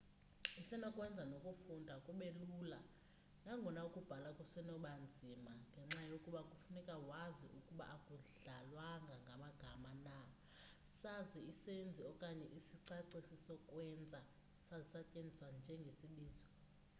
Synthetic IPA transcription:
isɛnɔkʼwɛnd͡zʱanokʼufundʱakʼuɓelula | naŋɡʱɔnaukʼub̥ʱalakʼusɛnɔɓand͡zʱimaŋɡʱɛŋ͡ǁajokʼuɓakʼufunɛkʼawaziʔukʼuɓa̰ʔakʼuɮalwaŋɡʱaŋɡʱamaɡ̥ʱamana | saziisend͡zʱiɔkʼaɲɛʔisiǀaǀisisɔkʼwɛnd͡zʱa | sazisacʼend͡zʱisand͡ʒʱɛŋɡʱesiɓiːzɔ

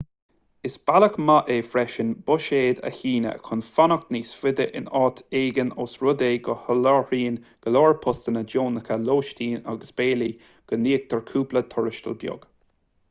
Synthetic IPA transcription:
ɪsb̥aləkmaʔefɾɛʃənbʊʃeːd̪ə̰çiːnə̰kʰʊnfanəkniːsfɪd̪əʔɪ̰nɑːt̪ʰeːɡənoːsɹʊd̪eːɡɔhəlɔɹiːnɡ̥əloːɹpʰʊst̪ənəd͡ʒoːnəkʰəloːʃt̪iːnaɡəsb̥eːli | ɡ̥ənːiːk̚t̪ʰəɹkʰuːplət̪ʰʊɹɪʃt̪ə̰lbjʊ̰ɡ̥

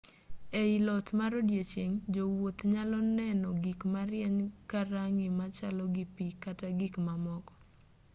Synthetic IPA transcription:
eilɔtmaɾodjet͡ʃjeŋd͡ʒowot̪ɲalɔnɛnɔɡikmaɾjɛɲkaɾaŋimat͡ʃalɔɡipikataɡikmamɔkɔ̥

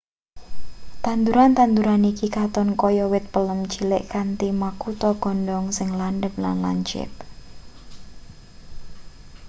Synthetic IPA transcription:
t̪and̪uɾant̪and̪uɾanikikat̪ɔnkɔjɔwɪt̪̚pələmt͡ʃilɪʔkant̪imakut̪ɔɡ̥ɔ̤nɖɔŋsɪŋlanɖəp̚la̰nla̰ɲt͡ʃɪ̰t̪̚

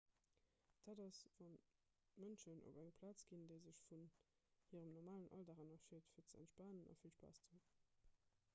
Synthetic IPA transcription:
d̥aːdɑsvɑn | mənʃənʔo̰bæŋpʰlaːt͡sɡ̥indeɪzəʃfun | hiːʁəmnɔʁmaːlənʔɑ̰ldaʁɑnɑʃeːtfiːɐt͡sæ̰ntʃpaːnənʔɑ̰fiːɐʃpa̰ːst͡su

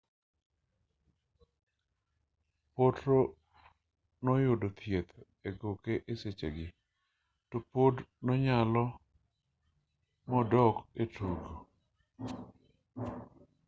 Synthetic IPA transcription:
potɾo | nɔjʊdot̪ʰjet̪ | eɡokeʔeset͡ʃḛɡɪ | topodnɔɲalɔ | mɔdɔketuɡo

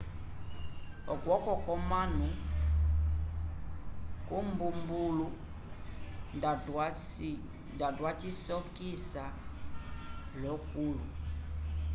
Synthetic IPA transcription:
ɔɡwɔkɔkɔmanu | kumbumbulu | ndadwat͡ʃisɔkisa | lɔkulu

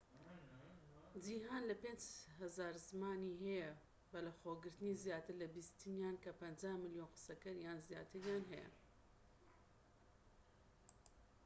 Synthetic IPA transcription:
d͡ʒiːɦaːnlɐpeːnd͡ʒhɐzaːɾzmaːniɦɛjɐ | bɐlɐxoːɡɨɾt̪ɨnizjaːt̪ɨɾlɐbist̪ʰɨnjaːnkɐpɐnd͡ʒaːhmɨljoːnqɨ̥sɐkɐɾjaːnzja̰ːt̪ʰɨɾjaːnɦɛjɐ̰

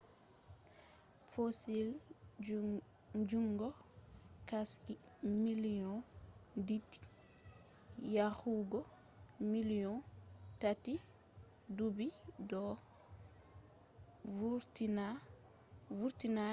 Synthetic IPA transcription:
fosil | d͡ʒuŋɡɔ | kaski | miliɔnditi̥ | jahuɡɔ | milɔntati | dubidɔ | utina | uɾtina

